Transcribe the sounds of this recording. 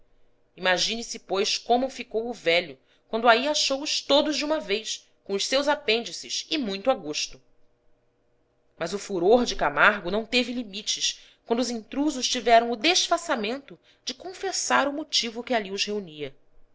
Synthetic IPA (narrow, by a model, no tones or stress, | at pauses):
imaʒĩnɪsɪpojskõmʊfikowʊvɛʎʊ | kwɐ̃nd̪ʊaiaʃowʊʃt̪od̪ʊʒd͡ʒɪũmɐvejʃ | kõʊʃsewzapẽnd͡ʒisɪsɪmũj̃t̪uaɡoʃt̪ʊ | mɐzʊfuɾoɾd͡ʒɪkamaɾɡʊnɐ̃w̃t̪evɪlimit͡ʃɪs | kwɐ̃nd̪ʊʊzĩnt̪ɾuzʊʃt͡ʃivɛɾɐ̃w̃ʊd̪eʃfasamẽnt̪ʊ | d͡ʒɪkõfesaɾʊmot͡ʃivʊkɪaliʊzheuniɐ